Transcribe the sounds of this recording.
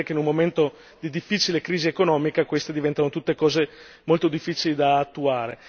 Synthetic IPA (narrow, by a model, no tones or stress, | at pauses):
keinummoment̪o | d̪id̪ifːit͡ʃilekɾiːziekonɔːmikakwest̪ed̪ivɛnt̪anot̪ut̪ːekɔːze | molt̪od̪ifːiːt͡ʃilid̪aːt̪ːuaːɾḛ